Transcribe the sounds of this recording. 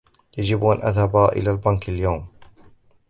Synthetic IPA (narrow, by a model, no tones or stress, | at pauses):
jad͡ʒɪbʔanʔa̰ðhabaʔɪ̰laːlbankaljawm